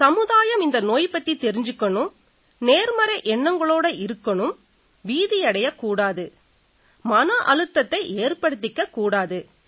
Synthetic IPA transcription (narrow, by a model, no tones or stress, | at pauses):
sɐmɯðaːjɐmɪnd̪ɐnoːjpɐt̪ːit̪ɛɾɪɲd͡ʒɯkːɐɳɯm | neːɾmɐɾɐʔɛɳːɐŋɡɐɭoːɽɐʔɪɾɯkːɐɳɯm | ʋiːðɪjɐɽɐjɐkːuːɽaːðɯ | mɐnɐʔɐɻɯt̪ːɐt̪ːɐɪʔeːrpɐɽɯt̪̬ːɪkːɐkːuːɽaːðɯ